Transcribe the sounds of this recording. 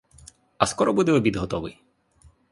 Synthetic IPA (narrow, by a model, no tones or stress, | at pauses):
ɐskɔɾɔbud̪ɛɔbʲid̪ɦɔt̪ɔʋɨ̰j